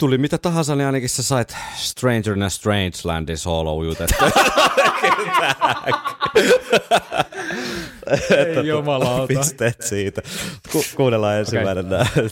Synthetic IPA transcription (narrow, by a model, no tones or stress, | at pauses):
t̪ulimit̪æt̪ɑɦɑnsɑniɑˑinɑkissæsɑit̪st̪reind͡ʒərinæst̪reint͡ʃlæ̰ndinsoːlo̰ujut̪et̪ːæket̪æk | et̪ːæomɑlɑpist̪eːt̪siːt̪ækukuːnelːɑiensyænenːæ